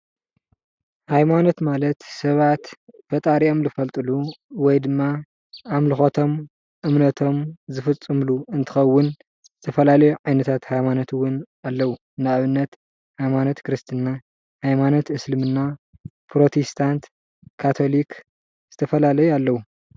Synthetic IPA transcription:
hajmano̞t̪malɐt̪sɐβat̪b̥ɐt̪ʼaɾiʔo̞mlɨfɐlt̪ʼɨluwɔjd̪ɨmːa | amlɨxot̪ʰo̞m | ʔɨmnɐt̪ʰo̞mzɨfɨt͡sʼːɨmluɨnt̪ʰɨ̥xɐwːʊn | zz̥ɨt̪ʰɐfɐlalɐjuʕajnɐt̪ʰat̪hajmanot̪ʰwʊn | alːɐwu | nɨaʔβɨnːɐt̪ | hajmanot̪kɾɨst̪ʰɨnːa | hajmanot̪ɨslɨmɨnːa | pɾo̞t̪ʰest̪ʰant̪ | kʰːat̪ʰo̞lik | z̥ɨt̪ʰɐfɐlalɐjualːɐwu

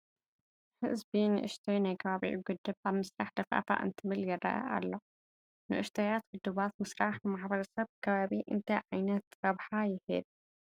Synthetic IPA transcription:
ħɨ̰zbinɨʔɨ̰ʃt̪ʰojnajkʰɐβaβḭʕḭɡɨd̪ːɨbʔaβmɨsɾaħd̪ɐfʔa̰fa̰ʔɨ̰nt̪ʰɨmɨlɡɐrɐ̰ʔɐ̰ʔa̰lːo | nɨʔɨʃt̪ʰajat̪ɡʊd̪ːuβat̪mɨsɾaħnɨmaħbɐɾɐsɐβkʰɐβaβiʔɨ̰nt̪ʰɐjʕajnɐt̪ɾɐβħajɪhɨ̰d̪̚

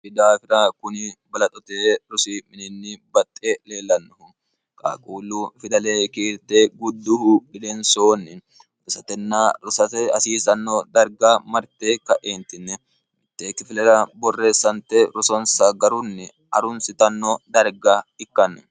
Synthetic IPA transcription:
fɪd̪aːfɪɾaːkʊnɪbɐlɐt̪ʼɔt̪eːɾʊsiːmɪnɪnːɪbɐt̪ʼːeleːlːɐnːʊhʊ | kʼa̰ːkʼuːluːfɪd̪ɐleːkiːɾt̪eːɡʊd̪ːʊhʊᶑɪlensoːnːɪ | ɾʊsɐt̪ɛnːaːɾʊsɐɐsiːsɐnːod̪ɐɾɡaːmɐɾt̪eːkɐʔeːnt̪ɪnːɛ | ɪt̪ːeːkːɪfɪlɛɾɐbɔrːe̞ːsːɐnt̪eɾʊsɔnsɐɡɐɾʊnːɪ | ɐɾʊnsɪt̪ɐnːod̪ɐɾɡaːɪkːɐnːʊ

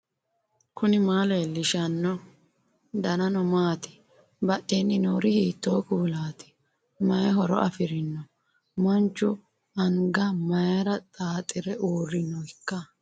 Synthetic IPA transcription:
kʰʊnɪmaːleːlɪʃɐnːɔ | d̪ɐnɐnɔmaːt̪ɪ̥ | bɐʔːeːnːɪnoːɾɪhiːt̪ːoːkuːlaːt̪ɪ̥ | mɐjɦɔɾɔ̰ʔɐfɪɾɪnːɔ | mɐnt͡ʃːʊ | ɐŋɡɐmɐjɐɾɐt̪ʼaːt̪ʼɪɾɛʔuːrːɪnːɔɪkːɐ

